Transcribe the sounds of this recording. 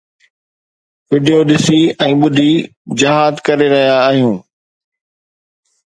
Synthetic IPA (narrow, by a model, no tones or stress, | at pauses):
ʋɪɖijoɗɪsiɛ̃ːɓʊd̪ʱi | d͡ʑɐɦaːd̪kɐɾeɾɐɦijaːɦijũː